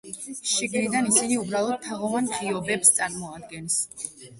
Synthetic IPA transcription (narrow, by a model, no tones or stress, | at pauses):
ʃiɡnid̪anisiniubɾalˠɔd̪̥̚p̪ʰɛlˠɔvanχiɔbɛpst̪sʼaɾmɔad̪̚ɡɛns